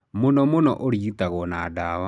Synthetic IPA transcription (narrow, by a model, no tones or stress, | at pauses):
monɔmonɔʔoɾiitaɣɔnadawa